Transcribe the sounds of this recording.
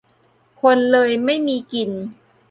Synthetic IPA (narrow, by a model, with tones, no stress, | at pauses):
kʰo˧nlɤː˧jma˥˩jmiː˧ki˧n